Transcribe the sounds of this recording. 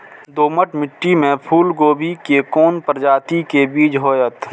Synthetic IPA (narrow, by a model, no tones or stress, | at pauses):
d̪oːməʈmɪʈːimẽpʰuːlɡoːbʱikekoːnpəɾd͡ʒaːt̪ikebiːd͡ʒɦoːjət̪